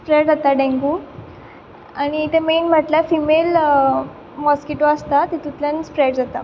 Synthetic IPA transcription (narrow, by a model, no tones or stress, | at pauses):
spɾeɖd͡zat̪aɖẽŋɡu | añiːt̪ʰemenm̤əʈlafimel | mɔskiʈoəst̪at̪et̪ut̪ʰlənispɾeɖd͡zat̪a